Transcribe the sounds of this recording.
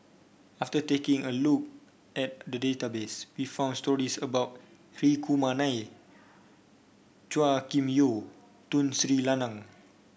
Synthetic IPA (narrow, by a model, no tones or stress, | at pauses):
aftətekĩŋəluk̚ | ʔɛt̚dədetabeswifãw̃ndstɔɹisəbaʊt̚ | ɹikʰumanaj | t͡ʃuakĩmjo | tũnsɹilanãŋ